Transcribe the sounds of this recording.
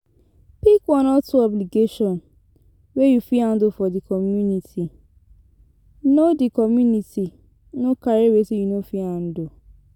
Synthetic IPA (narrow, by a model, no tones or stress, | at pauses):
pikwɔ̃nɔtuɔbliɡeʃɔ̃n | wejufiãndofɔdikɔmjunitʰi | nodikɔmjuniti | nõkaɾewesijunofiãn̩do